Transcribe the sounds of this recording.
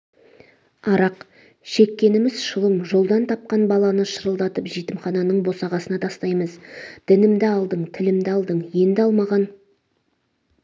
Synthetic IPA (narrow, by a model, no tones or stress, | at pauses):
ɑɾɑq | ʃe̞kʲːe̞nɪmɪzʃəlˠəmʒo̞lˠd̪ɑnt̪ʰɑp̚qɑnbɑlˠɑnəʃəɾəlˠd̪ɑt̪əpʒijt̪ɪmχɑnɑnəɴbo̞sɑʁɑsənɑt̪ʰɑst̪ɑjməzd̪̥ɪnɪmd̪ɪɑlˠd̪əɴt̪ʰɪlɪmd̪ɪɑlˠd̪əɴje̞nd̪ɪɑlˠmɑʁɑn